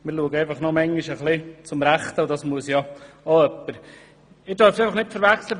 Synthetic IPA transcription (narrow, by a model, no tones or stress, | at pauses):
mɪɾluəɡəæɪfɑχnɔmɛŋɡiʃəχlɪt͡sʊmɾæχt̪wdɑsmuəsjɑ | oœpːəɾ | ɪdœɾfəsɛɪfɑχnɪtfəɾvæχslə